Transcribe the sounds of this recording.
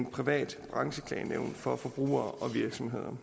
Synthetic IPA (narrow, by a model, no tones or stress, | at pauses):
npʰʁiʋɛ̰ːd̥b̥ʁɑ̈ŋɕəkʰlɛ̰ːneʊ̰n̥fɒ̽fɒ̽b̥ʁṵːɐːʔɒ̽ʋiɐɡ̥sɒ̽mɦe̝ð̞ˠɐ